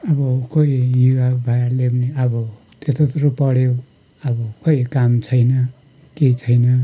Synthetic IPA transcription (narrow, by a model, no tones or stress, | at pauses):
ʌbʌkoijuabʱajalebneʌbʌ | t̪et̪ot̪ɾopʌɽew | ʌbʌkʌikamt͡sʰʌjnʌ | ket͡sʰʌjnʌ